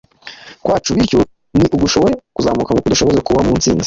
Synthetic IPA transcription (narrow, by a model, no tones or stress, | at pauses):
kwʔaːt͡ʃuβiɾcu | niʔuɡuʃo̞βoɾekuzamukaŋukuduʃo̞βoze̞kuβamunt͡sḭːnze̥